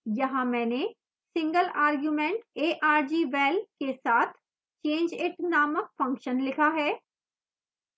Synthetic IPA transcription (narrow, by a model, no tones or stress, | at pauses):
jɐɦãmɛ̃ːne | sɪ̃ŋɡəlaːɾɡjuːmẽːɳʈeːʔaːɾd͡ʒiːʋɛːlkesaːt̪ʰ | t͡ʃẽːɲd͡ʒɪʈnaːmək̚fɐ̃ŋkʃənlɪkʰaɦɛː